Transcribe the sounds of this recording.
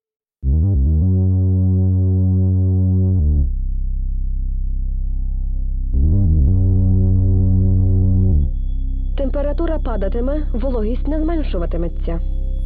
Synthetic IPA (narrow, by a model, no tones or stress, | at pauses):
t̪empeɾɐt̪uɾɐpɑd̪ɐt̪emɛ | ʋlˠɔɦʲisʲtʲnɛzmɛnʃʊʋɐt̪ɪmɛt͡sʲːɐ